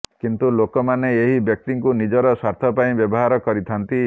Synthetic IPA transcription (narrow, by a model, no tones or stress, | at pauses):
kint̪ulokɔmaneeɦibek̚ʈiŋkunid͡ʒɔɾɔsaɾt̪ʰɔpaĩbjɔbɔɦaɾɔkɔɾit̪ʰant̪i